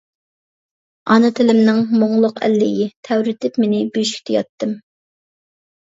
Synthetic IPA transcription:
ɑnɨt̪ʰɪlɪmnɪŋmoŋlˠʊqʰæ̰lːɪjɪt̪ʰɛwɾɪt̪ʰɪpmenɪbyʃkʲt̪ʰɪjɑt̪ːɨm

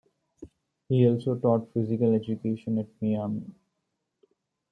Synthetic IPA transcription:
hiːɔːlsoːʈɔːʈfɪzɪkəled͡ʒukeːʃə̃nɛʈ̚miaːmḭ

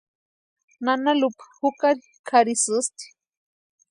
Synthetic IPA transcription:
nanalupḁhukaɾi | kʰaɾisɨst̪i̥

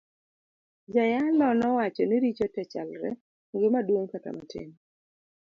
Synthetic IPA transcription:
d͡ʒajalɔnɔwat͡ʃɔniɾit͡ʃɔtɛt͡ʃa̰lɾɛ̰ | ŋɡɪmadwoŋkata̰matḛŋ

